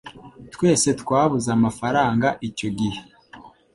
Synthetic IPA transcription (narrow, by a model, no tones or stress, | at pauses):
twe̞ːse̞tkwaːβuzamafaɾaːŋɡaʔico̞ɡihe